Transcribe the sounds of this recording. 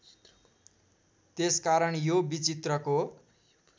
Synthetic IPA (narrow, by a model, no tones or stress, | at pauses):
t̪eskaɾʌɳjobit͡sit̪rʌko